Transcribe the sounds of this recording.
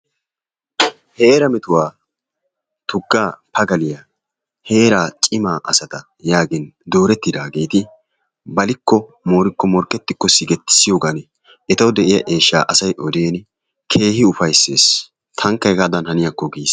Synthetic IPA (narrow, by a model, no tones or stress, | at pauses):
heːɾɐmɛt̪ʊwaː | t̪ʊɡːaːpɐɡɐlɪja | he̞ːɾaːt͡ʃʼɪmaːʔɐsɐt̪ɐ | jaːɡɪnd̪o̞ːɾɛt̪ːɪd̪aːɡe̞ːt̪ɪ | bɐlɪkːɔ | mo̞ːɾɪkːɔmɔɾkʼːɛt̪ːɪkːɔsɪɡɛt̪ːɪ̥sːɪjo̞ːɡanɛ | ɛt̪ɐwd̪ɛʔɪjɐ̰ʔe̞ːʃːa̰ːʔɐsɐjʔɔd̪eːn | kʰe̞ːhɪʊfɐjse̞ːs | t̪ʰɐŋkːɐjɡaːd̪ɐnhɐnɪjɐkːɔɡiːs